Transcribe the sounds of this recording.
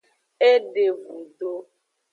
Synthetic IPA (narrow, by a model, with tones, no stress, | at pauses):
e˦ɖe˨vu˨ɖo˦